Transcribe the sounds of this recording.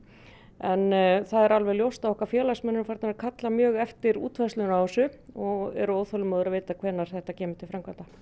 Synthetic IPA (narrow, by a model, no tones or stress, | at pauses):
ɛnθaðɛɾalvɛljowst̪avɔhkvaɾfjɛːlasmɛnʏfajɾt̪aɾkʰat̪lamjœːɣɛft̪ɪɾṵːt̪vɛst̪lʏnasʏɔɣɛ̰ɾʏowðθfœlʏmaðʏɾavɪːt̪akʰvɛːnːaɾ̥θɛht̪acɛːmʏɪ̥t̪ʰɪlfɾamkʰant̪a